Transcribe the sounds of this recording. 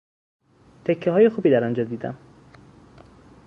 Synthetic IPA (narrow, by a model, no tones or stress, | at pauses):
t̪ʰekʰːeɦɒːje̞xuːbiːd̪æɾɒnd͡ʒɒːd̪iːd̪æ̰m